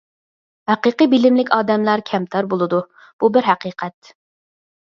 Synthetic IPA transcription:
hæqiqɨbɪlɪmlɪkʲɑːd̪ɛmlæɾkʲʰɛmt̪ʰɑɾbolˠɨd̪u | b̥ubɪɾɦæqiːqʰɛt̪

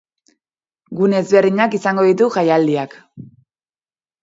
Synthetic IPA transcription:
ɡunezβe̞ɾðiɲakisaŋɡo̞ð̞it̪uʝajald̪iak

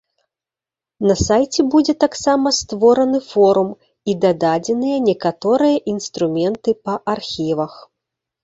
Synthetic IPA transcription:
nɐsajt͡sʲɛbud͡zʲɛt̪aksamɐst̪vɔɾɐnɨfɔɾum | id̪ɐd̪ad͡zʲɛnɨjɐnʲɛkat̪ɔɾɨjɐʔinst̪ɾumʲɛnt̪ɨpɐʔarxʲivɐx

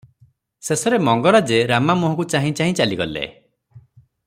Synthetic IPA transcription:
sesɔɾemɔŋɡɔɾad͡ʒeɾamamuɦɔ̃kut͡ʃaɦĩt͡ʃaɦĩt͡ʃaliɡɔlḛ

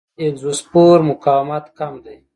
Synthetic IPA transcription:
elzuspoːɾmʊkaːwmat̪kamd̪aj

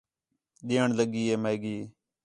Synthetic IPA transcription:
ɗ̪eːəɳləɡiːeːmeːɡiː

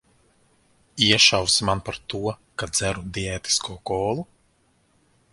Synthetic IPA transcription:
iɛʃawsmanpaɾt̪uɔkad̪d̪z̥æɾud̪iɛːt̪i̥skʰuːkɔːlˠu

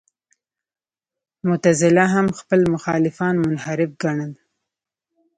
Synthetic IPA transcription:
mʊt̪azɪlaɦamxpəlmʊxɑlɪfɑnmʊnhaɾɪfɡaɳəd̪

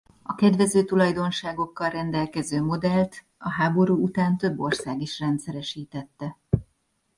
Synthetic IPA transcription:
ɒkɛd̪ʋɛzøːt̪ulɒjd̪o̞nʃaːɡo̞kːɒlrɛnd̪ɛlkɛzøːmo̞d̪ɛlt̪ | ɒɦaːbo̞ɾuːut̪aːnt̪ø̞bːo̞rsaːɡiʃrɛnt̪sɛɾɛʃiːt̪ɛt̪ːɛ

